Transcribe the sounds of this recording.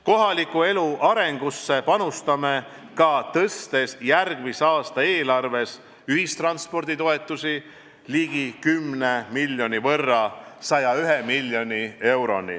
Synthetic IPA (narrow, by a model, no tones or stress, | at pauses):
ko̞ɦɑlikue̞luʔɑɾe̞ŋɡ̥usːe̞pɑnust̪ɑme̞ | kɑt̪ɤst̪e̞sjærɡ̥misɑːst̪ɑe̞ːlɑrve̞s | yhist̪rɑnspo̞rd̪it̪o̞e̞t̪ːˑusi | liɡ̥ikymːnemilʲjo̞nivɤrːɑsɑjɑyɦemilʲjo̞nie̞wɾo̞̰nḭ